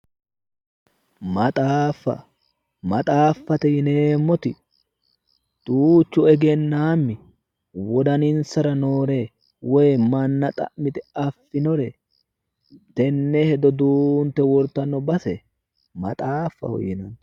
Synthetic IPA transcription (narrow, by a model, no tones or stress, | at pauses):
mɐt̪ʼaːfːɐ̰ | mɐt̪ʼaːfːɐt̪ɛjɪneːmːɔt̪ɪ | d̪̥uːt͡ʃːʊɛɡɛnːaːmːɪ | wɔd̪ɐnɪnsɐɾɐnoːɾeː | wɔjmɐnːɐt̪ʼɐ̰ʔmɪt̪ɛɐfːɪnɔɾɛ | t̪ɛnːɛhɛd̪ɔd̪uːnt̪ːɛwɔɾt̪ːɐnːɔbɐsɛ | mɐ̰t̪ʼaːfːɐ̰hɔ̰jɪnɐn